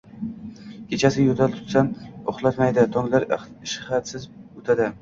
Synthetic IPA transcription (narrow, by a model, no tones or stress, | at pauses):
kʲʰet͡ʃʰasɪjot̪ʰalt̪ʰʊ̥t̪samoχlˠat̪majd̪ɪt̪ʰɒŋlaɾ | ʃhat̪sɪzot̪ʰad̪ɪ